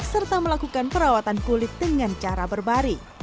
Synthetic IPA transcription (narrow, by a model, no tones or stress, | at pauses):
sərt̪aməlakukanpəɾawat̪ankulɪt̪̚dəŋant͡ʃaɾabərbaɾi